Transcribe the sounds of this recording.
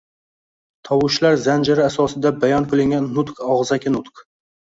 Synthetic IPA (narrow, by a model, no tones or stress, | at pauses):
t̪ʰɒwʊʃlaɾzand͡ʒaɾɪasɒsɪd̪abajɒnkʰɵlɪŋɡʲanːʊt̪qɒʁzakʲɪnʊt̪q